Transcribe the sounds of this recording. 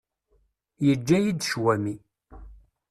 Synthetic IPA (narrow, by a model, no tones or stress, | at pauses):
jəd͡ʒːæjid̪ʃwæmi